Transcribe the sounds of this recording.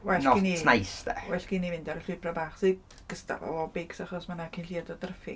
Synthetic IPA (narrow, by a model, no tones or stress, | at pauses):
wɛnnɔininajsdɛ̰wɛɬkinivɪndaɾəɬʊpʰrabaːχse | ɡ̥əsta̰vɔ̰ɔbɪɡsaχɔsmanakʰinɬiadɔdərfɪ